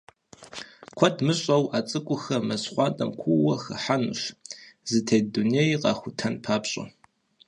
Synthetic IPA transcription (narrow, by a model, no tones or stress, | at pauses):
kʷʰɔtʰmɨɕʼɐwaːt͡sʼɨkʷʼʊxɐmɐsχʷɑːtʼɐmkʷʰuwɐxɐħanṵʃzɨtʰejdunejqɑ̰ːxʷʊtʰɐnpʰaːpɕʼɐ̰